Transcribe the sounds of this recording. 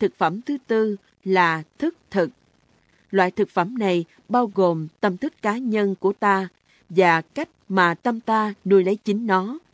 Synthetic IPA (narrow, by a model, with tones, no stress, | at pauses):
t̪ɨ˨˩k̚fə˧˩mt̪ʰɨ˨˦t̪ɨ˧ | laː˨˩t̪ʰɨ˦˥k̚t̪ʰɨ˨˩k̚ | lwa̰ː˧˨jt̪ʰɨ˨˩k̚fə˧˩mna˨˩j | ɓaː˧wɣo˨˩mt̪ə˧mt̪ʰɨ˦˥kːaː˨˦ɲə˧nku˧˩ət̪aː˧ | vaː˨˩ka˦˥jk̟̚maː˨˩t̪ə˧mt̪aː˧nu˧jlə˨˦jt͡ɕï˨˦ŋ̟nɔ˨˦